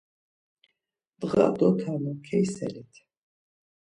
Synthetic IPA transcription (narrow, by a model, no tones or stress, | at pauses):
d̪̥ʁa̰d̪ɔk̪ʰamɔkʰɛjsɛ̰lit̪ʰ